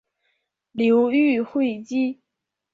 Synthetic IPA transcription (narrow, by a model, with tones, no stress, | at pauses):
ljo˧˥ʊy˥˧xwe˥˧ɪt͡ɕi˥